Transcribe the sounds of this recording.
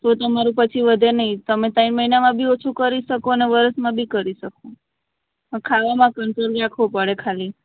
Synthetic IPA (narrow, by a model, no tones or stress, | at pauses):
t̪ot̪əmaɾũpət͡ʃʰiʋəd̪ʱenəɦĩt̪əmet̪ainməɦinamãbʱiot͡ʃʰukəɾiʃəkoneʋəɾəsmãbʱikəɾiʃəko | əkʰaʋamãkəɳʈɾolɾakʰʋopəɽekʰali